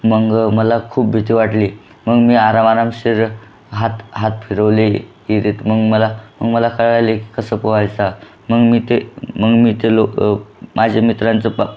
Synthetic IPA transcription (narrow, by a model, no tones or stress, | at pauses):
məɡməlakʰuːp̚bʱit̪iʋaʈliː | məɡmiːaɾamaɾamɕiɾ | ɦat̪ɦat̪pʰiɾəʋleɦiɾit̪məɡməlaməɡməlakʰəɭɭajleki̥kəsəːpəʋajt͡sa | məɡmiːt̪eməɡmiːt̪elomad͡ʑʱamit̪ɾãnt͡səp